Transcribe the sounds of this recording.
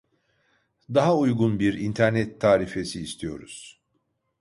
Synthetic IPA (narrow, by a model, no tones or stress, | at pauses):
d̪aɦaujɡunbiɾint̪ʰæɾnɛt̪ʰːaːɾife̞siːst̪ʰijo̞̰ɾṵz̥